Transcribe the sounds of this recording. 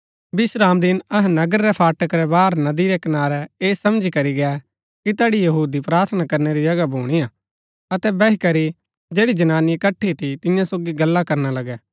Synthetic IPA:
bɪsɾaːmd̪ɪnɐɦnɐɡəɾːɛpʰaːʈəkɾɛbaːɾnɐd̪iɾɛkɐnaːɾɛeːsɐmd͡ʒikɐɾiɡɛ | kit̪ɛːɽijɐɦuːd̪ipɾaːɾt̪ʰnakɐɾneɾid͡ʒɐɡabʱuːɽ̃ijaː | ɐt̪ɛbɛɦikɐɾi | d͡ʒeːɽid͡ʒɐnaːnikɐʈʰːit̪ʰit̪ɪ̃jãsoːɡiɡɐlːakɐɾnalɐɡɛ

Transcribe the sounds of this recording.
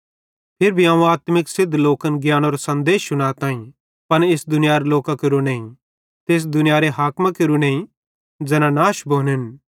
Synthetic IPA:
pʰɪɾbʱiaːũaːt̪mɪksɪd̪ʱloːkənɡjaːñoːɾasɐ̃nd̪eːʃʊɽ̃aːt̪ãːĩ | pɐnesd̪ʊnɪjaːɾloːkakɐɾuneːĩ | t̪eːs̬d̪ʊnɪjaːɾeɦaːkmakeɾuneːĩ | d͡ʒɛːnãnaːʃbʱoːnɦɪn

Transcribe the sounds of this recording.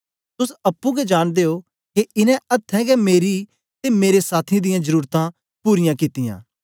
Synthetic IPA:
t̪ʊsɐpːũɡɛd͡ʒaːɽ̃d̪eːo | keʔɪnɛ̃ɐt̪ʰːɛ̃ɡɛmeːɾi | t̪emeːɾesaːt̪ʰid̪ɪjãzɐɾuːɾt̪ã | puːɾɪjãkɪt̪ɪjã̰ː

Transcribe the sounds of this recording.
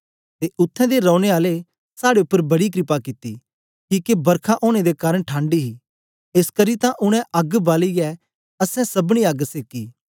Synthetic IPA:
t̪eʔʊt̪ʰːɛ̃d̪eɾɔ̃ːɽ̃eaːle | saːɽeʊpːəɾbɐɽik̬ɾɪpakɪt̪ːi | kiːkebɐɾkʰaʔoːɽ̃ed̪ekaːɾəɽ̃ʈʰãːɳɖiɦi | eːskɐɾit̪ãʔʊɽ̃ɛ̃ʔɐɡbaːliɡɛ | ɐsɛ̃sɐbɽ̃ĩɐɡseːkiː

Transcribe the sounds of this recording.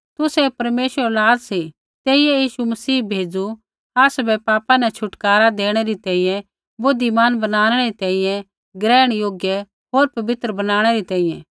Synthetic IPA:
t̪ʊsɛpɐɾmeːʃəɾlaːd̪si | t̪eːijɛ̃jiːʃumɐsiːbʱeːd͡zu | aːsbɛpaːpãnɛt͡ʃʰʊʈkaːɾad̪eːɽ̃ɛɾit̪ɛ̃ːĩjɛ̃ | bʊd̪ʱːimaːnbɐnaːñɛɛɾit̪ɛ̃ːĩjɛ̃ | ɡɾɛːɽ̃joːɡjə | ɦoːɾpɐbɪt̪ɾəbɐnaːɽ̃ɛɾit̪ɛ̃ːĩjɛ̃

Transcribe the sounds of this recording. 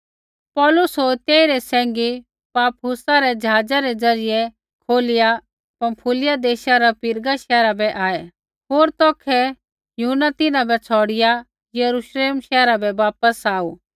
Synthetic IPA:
pɔːlʊsɦoːɾt̪eːiɾɛsɛ̃ːŋɡi | paːpɦʊsaɾɛd͡ʒɐɦaːd͡zaɾɛd͡zɐɾɪjɛ | kʰoːlɪja | pɐ̃mpʰulɪjad̪eːʃaɾapɪɾɡaʃɛːɾabɛʔaːɛ | ɦoːɾt̪ɔːkʰɛ | jʊɦʊnːat̪ɪnãbɛt͡sʰɔːɽɪja | jɐɾuʃleːmʃɛːɾabɛʋaːpəsaːu

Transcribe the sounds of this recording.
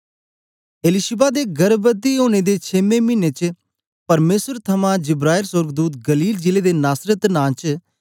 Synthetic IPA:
eːlɪʃɪbaːd̪eːɡɐɾbət̪iɦoːñed̪eːt͡ʃʰeːmẽːmɪneːt͡ʃ | pɐɾmeːsəɾt̪ʰɐmãd͡ʒɪbɾaːɪlsʊɾɡd̪uːt̪ɡɐliːld͡ʒɪleːd̪eːnaːsɾət̪nãːt͡ʃ

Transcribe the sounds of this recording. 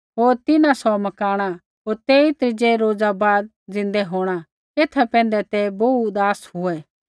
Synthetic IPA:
ɦoːɾt̪ɪnãsɔmɐkaːɽ̃a | ɦoːɾt̪eit̪ɾɪd͡ʒeɾoːd͡zabaːd̪̚ | d͡zɪ̃nd̪ɛɦoːɽ̃a | eːt̪ʰapɛ̃ːn̆d̪ɛt̪ɛbod̪aːsɦʊɛ

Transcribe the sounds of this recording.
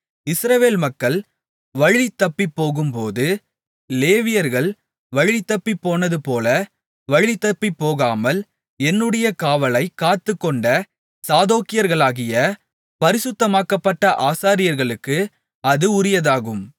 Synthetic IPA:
ɪsɾɐʋeːlmɐkːɐɭ | ʋɐɻit̪ːɐpːipːoːɣɯmpoːðɯ | leːʋɪjɐɾɣɐɭ | ʋɐɻɪt̪ːɐpːipːoːnɐðɯpoːlɐ | ʋɐɻit̪ːɐpːipːoːɣaːmɐl | ɛnːɯɽɐjɐkaːʋɐlɐɪkːaːt̪ːɯkːɔɳɖɐ | saːðoːkɪjɐɾɣɐɭaːɣɪjɐ | pɐɾɪsɯt̪ːɐmaːkɐpːɐʈːɐʔaːsaːɾɪjɐɾɣɐɭɯkːɯ | ɐðɯʊɾɪjɐðaːɣɯm

